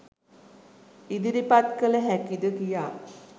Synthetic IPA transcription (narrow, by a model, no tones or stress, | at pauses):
id̪iɾipat̪kələɦækid̪əkijaː